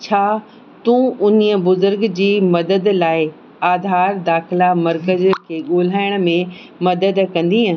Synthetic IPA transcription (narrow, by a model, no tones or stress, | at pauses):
t͡ɕʰaː | t̪ũːʔʊniə̆bʊzʊɾɡd͡ʑiːmɐd̪əd̪laːɪ | aːd̪ʱaːɾd̪aːxɪlamɐɾkəzkʰeːɠoːl̤aːɪɽ̃̆mẽ | mɐd̪əd̪kɐ̃nd̪iɦã